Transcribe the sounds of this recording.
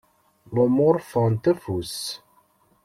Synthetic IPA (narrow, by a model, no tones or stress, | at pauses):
lomʊɾˤfənt̪æfus